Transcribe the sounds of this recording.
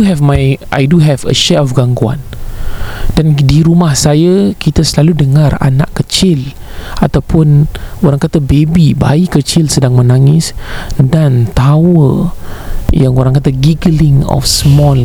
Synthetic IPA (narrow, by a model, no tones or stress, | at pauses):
uɦɛvmajʔa̰jduɦɛvə̰ʃɛɔfɡaŋɡua̰n | d̥andiɾumahsajakit̪asəlaludəŋãra̰na̰ʔkət͡ʃɪlat̪awpʊnoɾaŋkat̪abebiba̰ikət͡ʃilsədaŋmə̃naŋɪsdant̪awə | jaŋoɾaŋkat̪aɡiɡəlɪŋɔ̰fsmɔl